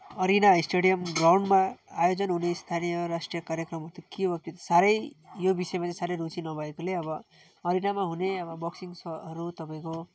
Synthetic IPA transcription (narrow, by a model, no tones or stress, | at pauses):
ʌɾinaisʈeɽijʌmɡrawɳɖmaːjod͡zʌnɦunest̪ʰanijʌɾasʈrijʌkaɾjʌkrʌmɦʌt̪ʌkibʌt̪et̪saɾʌjjobisʌemat͡saĩsaɾʌjɾut͡sinʌbʱʌekoleʌbʌ | ʌɾinamaɦuneʌbʌbʌksiŋsʌʌɾut̪ʌpaĩko